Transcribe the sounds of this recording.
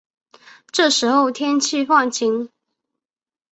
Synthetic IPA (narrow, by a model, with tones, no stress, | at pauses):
ʈ͡ʂɤ˥˩ʂɻ̩˧˥xo˥˧ʊt̪ʰjɛ˥nt͡ɕʰi˥˧fɑ˥˩ŋt͡ɕʰi˧˥ŋ